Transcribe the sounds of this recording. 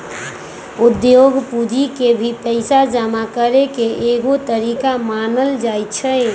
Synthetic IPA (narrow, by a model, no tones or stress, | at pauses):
ud̪jjoɡpud͡ʒikebʱipəɪsad͡ʒamakəɾekeʔeɡot̪əɾikamanəld͡ʒajtt͡ʃʰɛ